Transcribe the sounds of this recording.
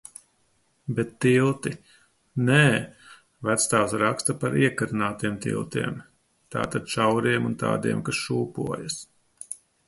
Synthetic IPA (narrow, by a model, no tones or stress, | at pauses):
bɛt̪ːilˠt̪i | nɛː | væt̪st̪aːwsɾakst̪apaɾiɛkaɾɨnaːt̪iɛmt̪ḭlˠt̪ḭɛm | t̪a̰ːt̪ad̪̥ʃawɾiɛmunt̪a̰ːd̪iɛmkasʃuːpṵɔjas